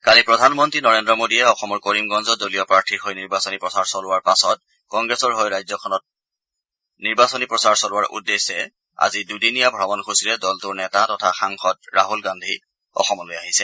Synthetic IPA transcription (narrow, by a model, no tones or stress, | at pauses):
kalipɹɔdʱanmɔntɹinɔɹendɹɔmodijɛɔxɔmɔɹkoɹimɡɔnzɔdolijɔpɹaɹtʰiɹxojniɹbasɔnipɹɔsaɹsɔlʊwaɹpasɔt̚ | kɔŋɡɹɛsɔɹɦojɹajzɔkʰɔnɔt̚ | niɹbasonipɹɔsaɹsɔlʊwaɹʔṵdːesɛ | a̰zidudinijabʱɹabɔnxʰusilɛdɔltʊɹnɛtatɔtʰaxaŋxɔt̚ɹaɦulɡandʱi | ɔ̰xɔmɔlojaɦisɛ